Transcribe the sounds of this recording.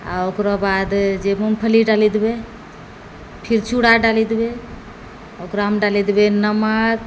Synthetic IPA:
a̰okɾɔbad̪d͡ʒemumpʰəliɖalid̪be | pʰiɾt͡ʃuɽaɖalid̪be | okɾɔmɖalid̪benəmak

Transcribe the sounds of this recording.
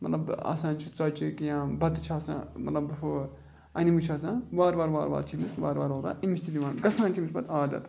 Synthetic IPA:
mɐ̰t̪lɐba̰sãːnt͡ʃʰit͡sɐːt͡ʃikijãːbɐt̪t͡ʃʰaːsã̰mɐ̰t̪lɐbfu | ɐnimut͡ʃʰaːs̬ãʋaːɾʋaːɾʋaːɾʋa̰ːɾt͡ʃʰimisʋaːɾʋaːɾʋaːɾa̰ːʔimisʲt̪ʰid̪ʲiʋãːnɡɐsãːnt͡ʃʰimisbɐt̪aːd̪ɐ̰t̪

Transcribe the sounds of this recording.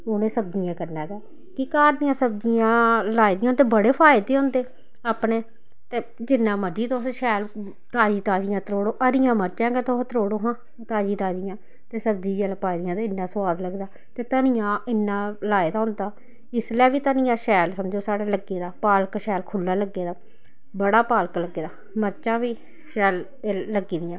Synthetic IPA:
ʊnẽːsəb̚d͡ʒɪjãːkəɾnaːɡɛː | kɪkaːɾnijãːsəb̚d͡ʒijãːlaːid̪ijãɦnd̪eːbəɽeːpʰaːɪd̪eːɦʊ̃nd̪eː | aːpneː | t̪eː | d͡ʒɪnːãːməɾd͡ʒiːt̪oːsʃɛːl | t̪aːd͡ʒiːt̪aːd͡ʒɪjãːt̪əɾoːɽoːʔəɾɪjãːməɾt͡ʃãːɡɛːt̪oːt̪ɾoːɽoːɦãː | t̪aːd͡ʒiːt̪aːd͡ʒɪjãː | t̪eːsəb̚d̪iːd͡ʒɛːlpaːid̪ɪjãːt̪eɪnːãːsʊaːd̪ləɡd̪aː | t̪eːt̪aːnɪjãːɪnːãːlaːeːd̪aːɦʊ̃nd̪aː | ɪslɛːʋiːt̪aːnɪjãːʃɛːlsəmd͡ʒoːsaːɽeːləɡeːd̪aːpaːlkʃɛːlkʰʊlːaːləɡːeːd̪aː | bəɽaːpaːlkləɡːeːd̪aː | məɾt͡ʃãːʋiː | ʃɛːlː | əɡiːd̪ɪjãː

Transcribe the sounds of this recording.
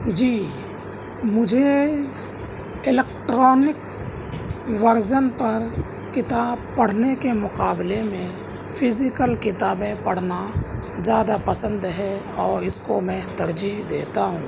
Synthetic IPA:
d͡ʒiː | mʊd͡ʒʱe | ɪleːkʈɾɔːnɪk | ʋəɾd͡ʒənpɐɾ | kɪt̪aːbpɐɽ̤nekemʊqaːblemẽ | pʰɪzɪkəlkɪt̪aːbẽpɐɽ̤nazjaːd̪apəsə̃nd̪ɦɛ | ɔːɾɪskomɛ̃ːt̪ɐɾd͡ʒiɦd̪ḛːt̪aɦṵ̃ː

